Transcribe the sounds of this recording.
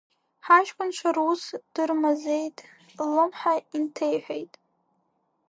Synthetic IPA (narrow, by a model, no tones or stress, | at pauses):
ħaʃkʷʰʼʊnt͡ʃʷʰarusd̥ɨrmazejtʼ | lɨmħaintʰejħʷᶣejtʼ